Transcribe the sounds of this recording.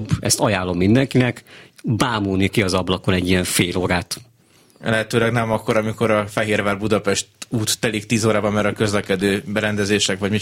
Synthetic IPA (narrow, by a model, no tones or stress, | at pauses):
bɛ̰st̪ɒjaːlːo̞mːind̪ɛŋkinɛkbaːmuːlnikiɒzɒblɒkolɛɟːijɛɱfeːloːɾaːt̪ | ɛ̰lɛɦɛt̪øːlɛɡnɛmɒkːo̞ɾɒmiko̞ɾɒfɛɦeːɾvaːrbud̪ɒpɛʃt̪uːt̪ːɛlik̚t̪iːzoːɾaːbɒmmɛɾɒkøzlɛkɛd̪øːbɛɾɛnd̪ɛzeːʃɛkʋɒɟmi